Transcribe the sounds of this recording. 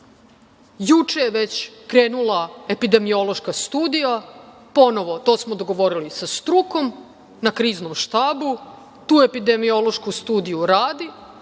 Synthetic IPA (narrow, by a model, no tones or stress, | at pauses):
jut͡ʂejeʋe̞t͡ɕkɾeːnulae̞pid̪e̞mio̞lo̞ʃkast̪uːd̪ijapo̞no̞ʋo̞t̪o̞ːsmo̞d̪oɡo̞ʋo̞ɾilisast̪ɾuko̞m | nakɾiːznomʃt̪aːbu | t̪uːe̞pid̪emio̞loʃkust̪uːd̪ijuɾaːd̪i